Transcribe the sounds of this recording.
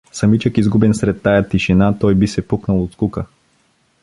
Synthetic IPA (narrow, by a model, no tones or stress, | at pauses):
sɐmit͡ʃəkizɡubɛnsɾɛt̪ːajat̪iʃinat̪ɔjbisɛpuknəlˠot̪skukə